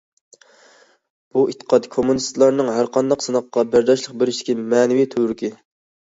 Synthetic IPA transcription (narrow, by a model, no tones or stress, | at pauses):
b̥uʔit̪ːə̥qʰɑt̪kʰomunist̪lˠɑɾnɨŋɦæɾqʰɑnd̪ɑqsɨnɑqːɑbæɾd̪ɑʃlˠəq̚bɪɾɪʃd̪ɪkʲimɛːnɪvijt̪ʰøɾkʲʰɪ